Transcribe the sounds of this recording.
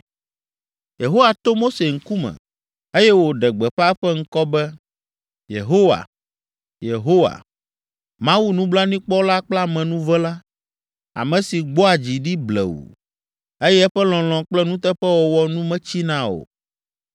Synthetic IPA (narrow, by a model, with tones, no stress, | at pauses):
je˨ɦo˦wa˨t̪o˦mo˦se˨ŋ̩˦ku˦mɛ̰̃˨ | e˦jɛ˦wo˨ɖɛ˨ɡ͡bɛ˨ɸa˦ɛ˦ɸɛ˦ŋ̩˦kɔ˦bɛ˦ | jḛ˨ɦo˦wa̰˨ | je˨ɦo˦wa̰˨ | mã˦wu˦nũ˦bla˦nĩ˦k͡pɔ˦la˦k͡plɛ˦a˦˨mɛ̃˨nũ˦vɛ˦la˦ | a̰˨mɛ̃˨si˨ɡ͡bo˦a˨d͡ʑi˨ɖi˦blɛ̰˨wṵ˨ | e˦jɛ˦ɛ˦ɸɛ˦lɔ̃˨l̃ɔ̃˨k͡plɛ˦nũ˦t̪ɛ˦ɸɛ˦wɔ˨wɔ˦nũ˦mɛ̃˦t͡ɕi˦nã˦o̰˨